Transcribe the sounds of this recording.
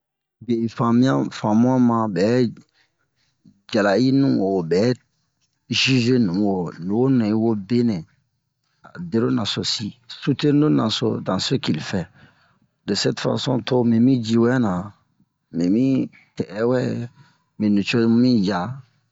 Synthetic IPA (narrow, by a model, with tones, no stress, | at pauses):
be˨fã˨mĩ˦ã˦fã˨mũ˦ã˦mã˨bɛ˨˦ | d͡ʒa˨la˨i˦nũ˨o˨bɛ˨˦ | ʒi˦ʒe˦nũ˨wo˨nũ˨wo˦nuẽ˨i˦wo˦be˦nẽ˨ | a˨de˦ɾo˦na˨so˨si˦su˦te˦no˦na˨so̰˦˨dã˨se˦ki˨li˨fɛ˨ | de˨sɛ˦tfa̰˨sɔ̰̃˦to˦mĩ˨mĩ˦d͡ʒi˦wɛ˦nã˨ | mĩ˨mĩ˦ | tɛ˨ʔɛ˦wɛ˦ | mĩ˨nũ˨t͡ʃo˦mĩ˦ja˦